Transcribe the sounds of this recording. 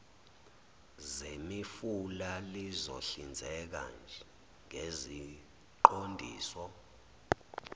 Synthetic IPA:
zemifulalizo̰ɬind͡zʱɛk̬a̰nd͡ʒʱɛ | ŋezi | ǃondʱiːsɔ

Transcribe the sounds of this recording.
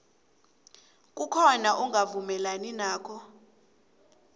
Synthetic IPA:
kʼukʰɔnaʔuŋɡʱavumɛlaninaːkʰɔ

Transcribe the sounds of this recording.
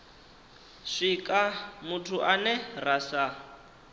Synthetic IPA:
ʂikʼamutʰuʔanɛrasa

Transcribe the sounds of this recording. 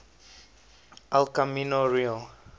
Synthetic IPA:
alkaminɔɹiɔ

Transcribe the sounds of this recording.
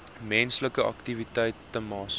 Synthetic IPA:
mɛnsləkəɐ̰ktivitəjtːəmɑːs

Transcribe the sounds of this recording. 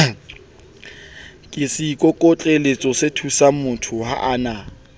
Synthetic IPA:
kʼɪsikʼokʼɔt͡ɬʼelet͡sʼɔsetʰusamʊtʰʊha̰ʔaːna

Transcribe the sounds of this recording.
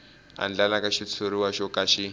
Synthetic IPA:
a̰nd͡ɮalakaʃit͡sʰoɾiwaʃɔkaʃi

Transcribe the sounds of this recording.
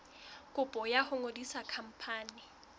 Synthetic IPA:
kʼʊpʼɔjahʊŋodisakʰam̩pʰaːnɪ

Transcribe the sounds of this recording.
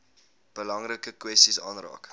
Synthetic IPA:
b̥əlɐŋrəkəkwɛstisɑ̰ːnrɑ̰ːk

